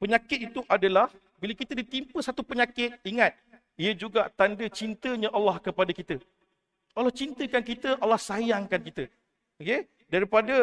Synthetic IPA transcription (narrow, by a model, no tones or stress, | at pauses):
pəɲakɪt̪̚it̪uʔadalah | bilakit̪ədit̪impəsat̪upəɲakɪt̪̚iŋat̪̚ | iəd͡ʒuɡat̪andət͡ʃint̪əɲãʔalːahkəpadakit̪ə | alːaht͡ʃint̪əkankit̪əʔalːahsajaŋkankit̪ə | oke | daɾipadə